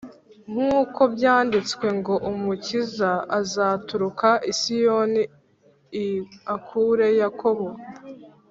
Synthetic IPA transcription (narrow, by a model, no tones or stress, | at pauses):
ŋ̥huːko̞bjaːndit͡skwe̞ŋɡo̞ʔumucizaazaːtuɾukaʔisijo̞ni | akʰuɾe̞jakʰo̞βo̞